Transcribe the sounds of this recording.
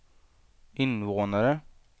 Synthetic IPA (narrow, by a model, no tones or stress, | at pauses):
ɪnʋoːnəɾə